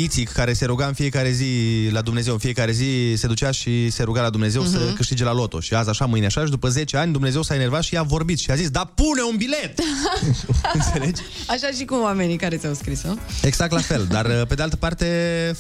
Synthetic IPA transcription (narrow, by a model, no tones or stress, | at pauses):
it̪sikkːaɾe̞se̞ɾuɡaɨnfije̞kaɾe̞zilad̪umne̞zewɨnfije̞kaɾe̞zise̞d̪ut͡ʃeaʃise̞ɾuɡalad̪umne̞ze̞wsəkɨʃt̪id͡ʒe̞lalo̞t̪o̞̰ʃiazaʃamɨjneaʃaʃid̪upəze̞t͡ʃeanʲd̪umne̞ze̞wsaene̞rvat̪ʃiavo̞rbit̪ʃiazisd̪apune̞unbile̞t̪ | ɨnse̞led͡ʒ | aʃaʃikuwame̞nikaɾet̪ʲawskɾisoeɡz̥ak̚t̪lafe̞ld̪arpe̞d̪ealt̪ə̥part̪e̞